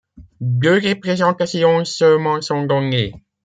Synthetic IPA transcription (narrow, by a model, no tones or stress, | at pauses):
d̪øʁepχezɑ̃t̪asjɔ̃sœlmɑ̃sɔ̃ɡɑ̃ɲe